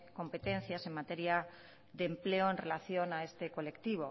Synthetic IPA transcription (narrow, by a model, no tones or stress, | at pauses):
ko̞mpe̞t̪ẽ̞nθjase̞ŋmat̪e̞ɾja | ðemple̞oe̞nre̞laθjo̞nae̞st̪e̞ko̞le̞kt̪iβo